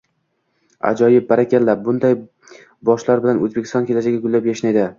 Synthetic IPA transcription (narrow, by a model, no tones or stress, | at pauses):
a̰d͡ʒɒjɪp̚baɾakʲʰallːap̚bʊnd̪aj | bɒʃlaɾbɪlanɵzbekʲʰɪst̪ɒnkʲe̞lad͡ʒaɡʲaɡʊlːapjaʃnajd̪ɪ